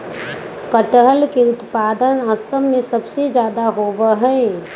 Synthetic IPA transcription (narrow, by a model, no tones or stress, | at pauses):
kəʈəɦəlkeʊt̪paːd̪ənəsəmːẽsəbsed͡ʒjaːd̪aɦoːʋəɦɛ̃